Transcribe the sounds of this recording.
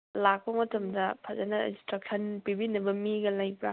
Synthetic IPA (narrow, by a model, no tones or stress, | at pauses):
lak̚pɐmɐtʰɐmdɐpʰɐzɐnɐĩstɾɐk̚sʰɐnpibinɐbɐmiɡɐlɐjpɾa